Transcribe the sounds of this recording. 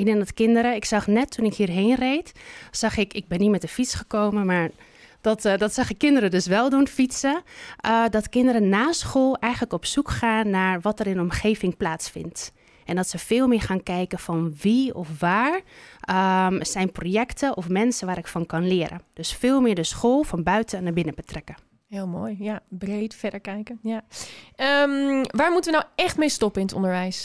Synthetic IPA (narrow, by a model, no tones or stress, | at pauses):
inənətkɪndəɾəɪksɑχnɛtʰːunɪkhiːɹɦeːnrejtsɑxɪkɪɡ̚bɛnːitmɛtəfitsχəkowmənmaːɹ | d̥ɔtdɔtsɑxəkɪndəɾədøsʋɛlˠdunfitsəʔdɔtkɪndəɾənaːsχoːlˠɛjxənləkɔpsukχaːnːaːɹʋɑtəɾɪnɔmχeːvɪŋplaːtsfɪ̰nt | ʔɛndɔtsəfɪːlˠmɪːɹχaːnkɛjkəfɔnʋiɔfʋaːɹəsɛjnproːjɛktəʔɔfmɛnsəʋaːɾɪkfɔnkɑnlɪəɾʔə̰d̥øsfɪːlˠmɪːɹdəsxoːlˠfɔnbœɥtʰənabɪnəbətrɛkə | ɦɪːlˠmoːjjabrejtfɛdəɹkɛjkənjaəmʋaːɹmutəʋənawɛxtmejstɔpəɪnətɔ̰ndəɹʋɛjs